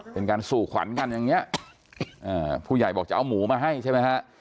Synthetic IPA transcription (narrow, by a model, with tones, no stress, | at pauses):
pe˧nkaː˧nsuː˨˩kʰwa̰˩˦nka˧njaː˨˩ŋi˦˥ɐʔ | ʔɤː˧˩pʰuː˥˩ja˨˩jbɔː˨˩k̚t͡ɕa˨˩ʔwmuː˩˦maː˧ɦa˥˩jt͡ɕʰa˥˩jma˦˥jkʰa˦˥ʔ